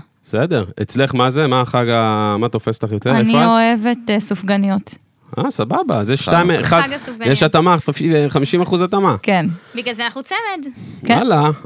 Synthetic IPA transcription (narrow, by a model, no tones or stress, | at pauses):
esede̞ʁet͡sle̞χmazemaχaɡamat̪o̞fe̞stlaχjotelenfiooevet̪sufɡanijot̪ | ʔasababazjeʃtajmaɡasufɡjeʃat̪amaiχamiʃimaχuzat̪amakenbiɡlalzeanaχnut͡semed̪kala